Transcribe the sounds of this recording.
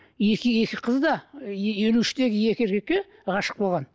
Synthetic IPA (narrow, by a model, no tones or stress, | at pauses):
e̞kʲɪje̞kʲɪqʰəzd̪ɑe̞luɪʃɪ̥t̪e̞ɡʲɪje̞kʲɪeɾkʲekʲɪ | ʁɑʃə̥q̚bo̞lˠʁɑn